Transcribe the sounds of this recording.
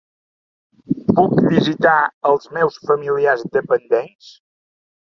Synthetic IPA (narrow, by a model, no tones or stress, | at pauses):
pukdizit̪aəlˠzmɛwsfəmiliazd̪əpənd̪eɛns